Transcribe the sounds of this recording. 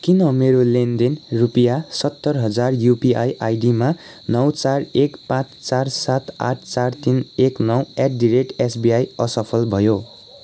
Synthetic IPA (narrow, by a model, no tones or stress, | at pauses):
kinʌmeɾolend̪enrupjasʌt̪ːʌrɦʌd͡zarjupiajʔajɖima | nʌwt͡sarekpãt͡st͡sarsat̪a̰ʈʰt͡sart̪ineknʌweʈ̚ɖiɾek̚ʈesbiajʌsʌpʰʌlbʱʌjo